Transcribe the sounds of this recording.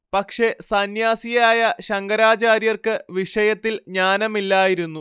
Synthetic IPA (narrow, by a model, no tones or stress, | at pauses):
pɐkʂe̞sɐnjaːsijaːjɐɕɐŋɡɐɾaːt͡ɕaːɾjɐrkɨʋiʂɐjɐt̪ːilɲaːnɐmilːaːjiɾunːu